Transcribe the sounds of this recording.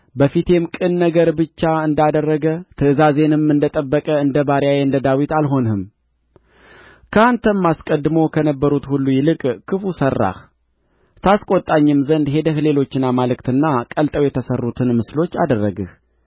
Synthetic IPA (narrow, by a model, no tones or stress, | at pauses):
bəfit̪ʰe̞mkʼɨnːəɡəɾbɨt͡ʃːaɨnd̪ad̪ərːəɡət̪ʰɨɨzaze̞nɨmɨnd̪ət̪ʼəbːəkʼəɨnd̪əbaɾjajeɨnd̪əd̪awit̪alɦo̞nhɨm | kʰəant̪ʰəmmːaskʼəd̪ːɨmo̞kʰənəbːəɾut̪hulːujɪlɨkʼkʰɨfusərːa̰h | t̪ʰaskʼo̞t̪ʼːaɲːɨmzənd̪ɦe̞d̪əhle̞lo̞t͡ʃːɪnːamalɨkt̪ɨnːakʼəlt̪ʼəwjɛt̪ʰəsərːut̪ʰɨnmɨslo̞t͡ʃːa̰d̪ərːəɡɨh